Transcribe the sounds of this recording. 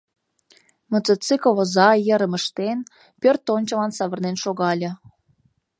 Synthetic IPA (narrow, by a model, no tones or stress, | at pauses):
mŏt͡sət͡sɨkoβozɑjəɾə̆mə̆ʃt̪en | pʲørt̪ːonʲt͡ɕə̆lɑnsɑβə̆rnenʃoɣɑlʲɤ̆